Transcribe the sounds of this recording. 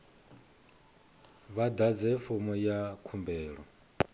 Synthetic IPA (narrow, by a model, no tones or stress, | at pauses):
βad̪ad͡zɛfumɔjakʰumbɛːɺɔ̰